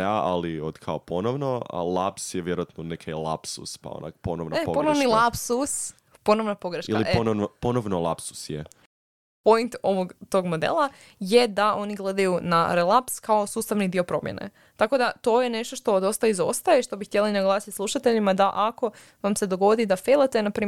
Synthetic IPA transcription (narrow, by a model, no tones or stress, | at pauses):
aa̰liod̪kʰaoponoʋnoa̰lˠa̰psjeʋjeɾoat̪nonekʰala̰psuspa̰o̰na̰kponoʋnoepoponoʋnilˠapsus | po̞noʋnopo̞ɡɾeʃkialionoʋnoponoʋnolˠa̰psu̥sje | po̞jnt̪o̞ʋoɡt̪o̞ɡmo̞d̪ḛlˠa | jed̪aʔo̞niɡlˠe̞d̪ajunaɾelˠapskao̞suːst̪aʋnid̪io̞pɾo̞mjenḛ | t̪ako̞d̪at̪o̞jene̞ʃt̪o̞ʃt̪o̞d̪o̞st̪aizo̞̰st̪ajeʃt̪o̞bixt̪jelinaɡlˠaːsit̪slˠuʃat̪e̞ʎimad̪aʔako̞ | ʋamse̞d̪oɡod̪id̪afelˠat̪enapɾiː